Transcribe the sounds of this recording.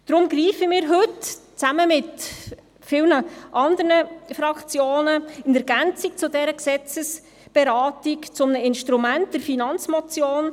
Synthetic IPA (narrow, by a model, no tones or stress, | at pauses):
d̥ɾʊmɡriːfəmɪːɾɦɵtt͡sæməmɪt | fɪlnəʔɑnd̪əɾnəfrɑkt͡sjoːnəɪnɛɾɡænt͡sik̚t͡sʊdɛɾəksɛt͡səs | b̥ɛɾɑːtikt͡sʊmnəɪnʃtɾumænt̚d̥ɛɾfinɑnt͡smɔt͡sjoːn